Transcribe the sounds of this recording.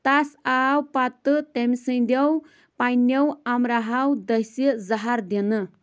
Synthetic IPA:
t̪asawpat̪ːɨt̪emisə̃j̃d̪ɐw | pajnewamɾaɦawd̪ɐjsezaɦaɾd̪inɨ

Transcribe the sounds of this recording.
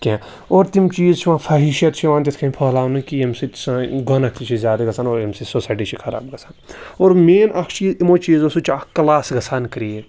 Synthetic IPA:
kʲẽ | oːɾt̪imt͡ʃiːzt͡ʃʰiʋãːfʰaːɦiʃɐt̪t͡ʃʰiʋãːnt̪it̪ʰkʰɐ̃npʰɐːlaːnũkiemsit̪sɡɐnɐkt̪ʰit͡ʃʰizʲjaːd̪ɐɡɐsʰaːnoːɾemsisosaːjʈit͡ʃʰikʰɐɾa̰ːb̚ɡɐsʰanoːɾmeːnʔɐkʰt͡ʃiːzimoːt͡ʃiːzosut͡ʃːkɐlaːsɡɐsʰankɾie

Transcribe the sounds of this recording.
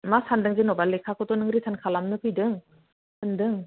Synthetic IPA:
masandɯŋzɯnɔbalːekʰakʰɯtɔnɯŋɾitʰankʰalamnɯkʰɯjdɯŋ | sɯndɯŋ

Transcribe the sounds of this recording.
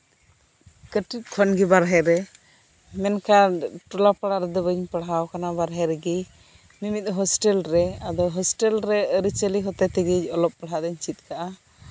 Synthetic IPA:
kəʈip̚kʰɔnɡibaɾɦɛɾɛ | mɛnkaʈɔlapaɽaɾɛd̪ɔbəɲpəɽawkanabaɾɦɛɾɛɡi | mimit̪̚ˀɦɔsʈɛlɾɛad̪ɔɦɔsʈɛlɾɛəɾit͡ʃəliɦɔt̪ɛt̪iɡid͡ʒɔlɔp̚ːəɽɦad̪ɛɲt͡ʃit̪̚ˀkaʔa

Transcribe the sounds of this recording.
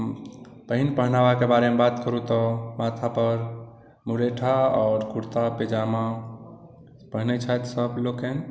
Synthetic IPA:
m | pəɦinpəɦnabakebaɾemebat̪kəɾut̪ɔmat̪ʰapəɾ | muɾeʈʰaɔːɾkuɽt̪aped͡ʒama | pəɦnɛt͡ʃʰajt̪səbloken

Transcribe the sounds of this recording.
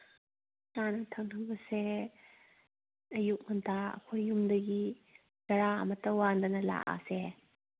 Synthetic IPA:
sanɐtʰɐŋtʰɯŋbɐse | ɐjuk̚mɐntʰaɐ̰kʰojːumdɐɡi | tɐɾaɐ̰mɐtːɐwandɐnɐla̰ʔa̰se

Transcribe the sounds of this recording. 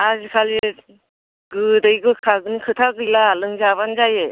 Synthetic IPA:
azɯkʰale | ɡɯdɯjɡɯkʰaɡɯnikʰɯt̪ʰaɡɯjlalɯŋzaβanzaje

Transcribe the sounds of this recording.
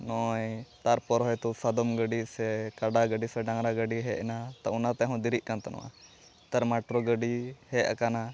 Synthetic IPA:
nɔjt̪aɾpɔɾɦɔjt̪usad̪ɔmɡəɖisɛkaɖaɡəɖisɛɖaŋɾaɡəɖiɦɛɛnat̪aunat̪ɛɦɔ̃d̪iɾiʔ̚kant̪anɔ̰wʔa̰ | t̪aɾmaʈɾɔɡəɖihɛa̰kana

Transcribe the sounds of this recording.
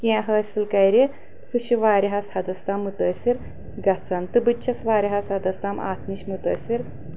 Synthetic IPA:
kĩɦɐsʲilkɐjɾe | suɕiʋaːɾʲiɦɐshɐd̪ɐst̪aːmːut̪ɐsʲiɾ | ɡɐt͡sɐnt̪ɨbɨt͡ʃʰɐsʋaːɾiɦɐsɐd̪ɐst̪ama̰ːt̪ʰniɕmut̪ə̰ːsiɾ

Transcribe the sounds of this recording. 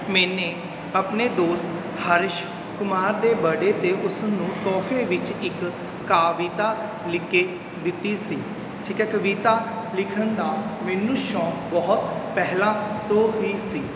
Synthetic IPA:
mɛːneː | əpneːd̪oːst̪ | həɾɪʃ | kʊmaːɾd̪eːbəɖeːt̪eːʔʊsnũːt̪ɔːpʰeːʋɪt͡ʃɪkː | aːʋiːt̪aː | lɪkːeː | d̪ɪt̪ːiːsiː | ʈʰiːkɛːkəʋiːt̪aː | lɪkʰənd̪aːmɛːnuʃɔ̃ːkbɔːʊt̪pɛɦlãːt̪oːɦiiːsiː

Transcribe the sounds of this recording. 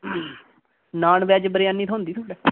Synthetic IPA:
naːɳʋɛːd͡ʒbəɾɪjaːniːt̪ʰõːnd̪iːt̪ʰoːɖɛː

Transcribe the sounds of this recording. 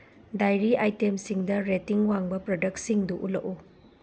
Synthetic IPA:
dajɾiʔajtemsiŋdɐɾetiŋwaŋbɐpɾodɐk̚tsiŋduʔulɐ̰ʔu

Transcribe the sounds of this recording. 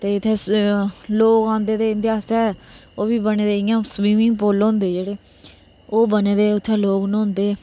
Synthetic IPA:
t̪eːɪt̪ʰːeː | loːkãːnd̪eːd̪eːɪnt̪ɪjaːsɛːoːʋiːbəneːd̪eːɪjãːswiːmɪ̃ŋɡpoːloʊ̃nd̪eːd͡ʒeːɽeː | oːbəneːd̪eːʊt̪ʰːeːloːknːʊ̃nd̪eː

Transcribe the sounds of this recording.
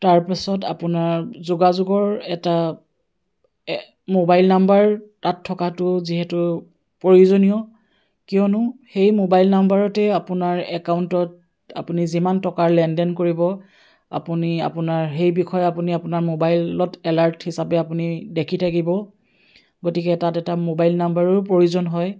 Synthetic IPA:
taɹpasɔta̰pʊnaɹzuɡazʊɡɔɹɛta | mobajlnambaɹtatʰːɔkatʊziɦɛtʊ | poɹiozonijɔ | kijɔnʊxejmobajlnambaɹɔtɛapʊnaɹɛkaʊntɔt | a̰punizimantɔkaɹlɛndɛnkoɹibɔ | a̰punia̰pʊnaɹɦejbikʰɔjapuniapʊnaɹmobajlɔtɛlaɹthisapɛapunidekʰitʰakibɔ | ɡotikɛtatɛtamobajlnambaɹɔɹpoɹiʊzɔnɦɔj

